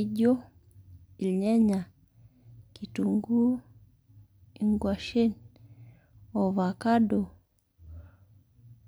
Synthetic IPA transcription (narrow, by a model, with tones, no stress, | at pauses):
iɟɔ˦ | i˨li˨ɲɛ˦ɲa˨ | ki˨tuŋɡu˦ | i˨ŋɡwa˨ʃe˦n | ɔ˨βa˨ka˦ɗɔ˨